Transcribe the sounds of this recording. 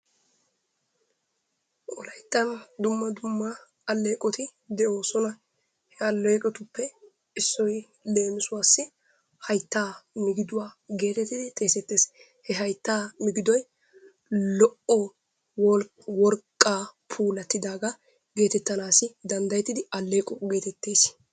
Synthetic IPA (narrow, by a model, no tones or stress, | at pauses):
ʔɔlɐjt̪ːɐnd̪ʊmːɐd̪ʊmːɐ | ɐlːeːkʼɔt̪ɪd̪ɛʔo̞ːsɔnɐ | hɛɐlːeːkʼɔt̪ʊpːɛ | ɪsːɔj | le̞ːmɪsʊwaːsːɪ | hɐjt̪ːaːmɪɡɪd̪ʊwaːɡe̞ːt̪ɛt̪ːɪd̪ɪt̪ʼe̞ːsɛt̪ːeːs | hɛɦɐjt̪ːaːmɪɡɪd̪ɔj | lɔʔɔ | wɔl | wɔɾkʼːaːpʰuːlɐt̪ːɪd̪aːɡɐ | ɡe̞ːt̪ɛt̪ːɐnaːsɪd̪ɐnd̪ɐjɛt̪ːɪd̪ɪɐlːe̞ːkʼɔɡeːt̪ɛt̪ːeːs